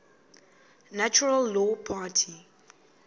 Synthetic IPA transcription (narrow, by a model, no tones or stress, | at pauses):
nat͡ʃuɹəlːɔpʰaːtʰi